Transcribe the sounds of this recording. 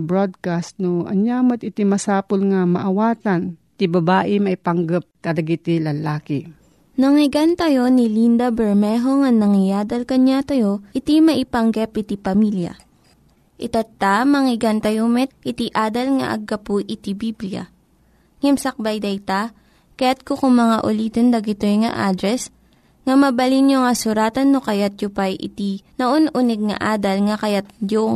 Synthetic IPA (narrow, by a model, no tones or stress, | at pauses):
bɹod̪̚kast̪̚noʔɐ̰ɲjaːmɐt̪̚ɪt̪imɐsaːpolŋɐmɐʔɐwaːt̪ant̪ibɐbaːʔɪmɐʔɪpaŋɡɐp̚kɐd̪ɐɡit̪ilɐlaːkɪ | nɐŋɪɡant̪ɐjo̞nilind̪ɐbɛɹmɛɦoŋɐnːɐŋɪjaːd̪ɐlkɐɲat̪ɐjoʔɪt̪imɐʔɪpɐŋɡɛpʔɪt̪ipɐmiljɐ̰ | ʔɪt̪ɐt̪amɐŋɪɡant̪ɐjomɛt̪̚ʔɪt̪iʔaːd̪ɐlŋɐ̰ʔɐ̰ɡːɐpuʔɪt̪ibiblijɐ̰ | ŋɛmsɐk̚bajd̪ɐjt̪a | kɐjat̪̚kokʊŋmɐŋaʔʊliːt̪ond̪ɐɡɪt̪ojŋɐ̰ʔaːd̪ɾɛs | ŋɐmɐbɐlinjoŋɐsʊɾaːt̪ɐnːokɐjat̪̚jʊpajʔɪ̰t̪inɐʔonʔunɛɡ̚ŋɐ̰ʔaːd̪ɐlŋɐkɐjat̪̚d͡ʒo